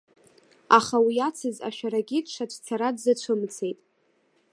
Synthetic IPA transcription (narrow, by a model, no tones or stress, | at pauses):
aχawiat͡sʰɨza̰ʃᶣaɾaɡʲitʼʂat͡ʃʷʰt͡sʰaɾadzat͡ʃʷʰɨmt͡sʰe̞jtʼ